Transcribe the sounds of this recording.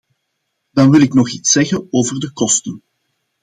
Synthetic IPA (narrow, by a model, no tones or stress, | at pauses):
d̥ɑnʋɪlɪknɔχitsɛɣənoːvərdəkɔstən